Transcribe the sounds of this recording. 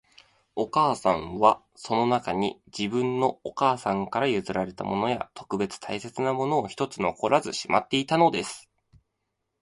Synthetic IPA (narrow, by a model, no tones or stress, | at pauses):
o̞kaːsãɰ̃βa | so̞no̞nakaɲ̟ḭd͡ʑibɯ̟̃nnːo̞okaːsãŋkaɾajɯ̟zɨɾaɾe̞t̪a̰mo̞no̞ja̰t̪ʰo̞̥kɯ̟be̞t͡sɨ̥t̪ʰaise̞t͡sɨnamo̞no̞ːçi̥t̪o̞t͡sɨno̞ko̞ɾazɨɕima̰t̪ːe̞it̪ano̞d̪e̞sɨ̥